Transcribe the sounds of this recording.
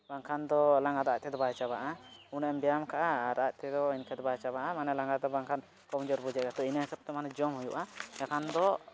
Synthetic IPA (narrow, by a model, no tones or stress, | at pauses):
baŋkʰand̪ɔlaŋɡad̪ac̚ˀt̪ɛd̪ɔbajt͡ʃaβaʔaunɛmbɛjamkʰaʔaɾac̚t̪ɛd̪ɔinkʰɛd̪ɔbajt͡ʃaβaʔamanɛlaŋɡad̪ɔbaŋkʰan | kɔmd͡ʒɔɾbud͡ʒɛʔkat̪ɔinahisɔp̚t̪ɛmanɛd͡ʒɔmhujuʔaɛkʰand̪ɔ